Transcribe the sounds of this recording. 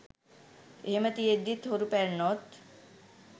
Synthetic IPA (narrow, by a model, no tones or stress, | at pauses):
emət̪ijed̪it̪ʰɦoɾupɛɾnɔt̪